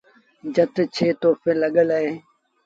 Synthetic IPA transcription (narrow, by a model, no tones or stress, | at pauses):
d͡ʒət̪t͡ʃʰeːt̪oːfeːləɠələɦeː